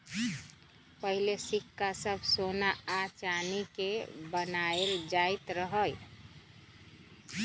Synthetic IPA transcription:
pəɦilesikːasəbʱsonaːt͡ʃanikebənaeld͡ʒajt̪ɾəɦəj

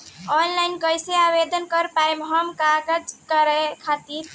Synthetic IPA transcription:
ɔnlajnkəjseabed̪ənkəɾpajmɦəmkaɡəd͡ʒkəɾɛkʰat̪iɾ

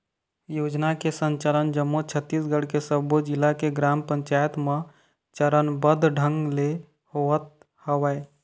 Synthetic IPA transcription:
jod͡ʒnakesənt͡ʃələnd͡ʒəmːot͡ʃʰət̪ːisɡəɽ̤kesəbod͡ʒilːakeɡɾampəɲt͡ʃajət̪me | t͡ʃəɾənbəd̪ʱɖʱəŋɡle | hoət̪̚ | həʋəj

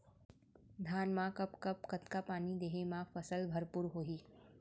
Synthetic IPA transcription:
d̪ʱaːnmãkɐpkɐp̚kɐt̪kapaːnid̪eːɦemãːfɐsəlbʱɐɾpʊːɾɦoːiː

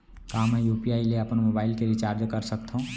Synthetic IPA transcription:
kamejupiaːileəpənmobaːɪlkeɾit͡ʃaɾd͡ʒkəɾsəkt̪ʰɦũ

